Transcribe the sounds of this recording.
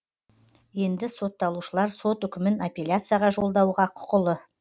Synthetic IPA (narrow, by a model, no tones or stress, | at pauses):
je̞nd̪ɪso̞t̪ːɑlˠuʃəlˠɑɾso̞t̪ʏkʲɪmɪnapʲe̞lʲjat̪sɨjaʁɑʒo̞lˠd̪ɑwʁɑqʰʊ̥qəlˠə